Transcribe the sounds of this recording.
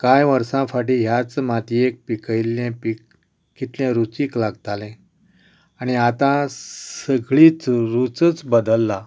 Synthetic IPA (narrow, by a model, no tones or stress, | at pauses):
kajʋəɾsãfaʈiɦjat͡smat̪iek̚pikəjlɛ̃pik | kit̪ljɛ̃ɾut͡siːklaɡt̪alɛ̃ | añiat̪ãsəɡɭiːt͡sɾut͡sət͡sbəd̪əlːa